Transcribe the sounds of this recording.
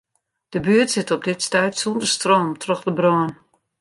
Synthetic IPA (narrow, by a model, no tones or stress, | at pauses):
d̥əbyətsɪtɔb̚dɪtstɛjtsundərstroːmtʰrɔxdəbrɔːn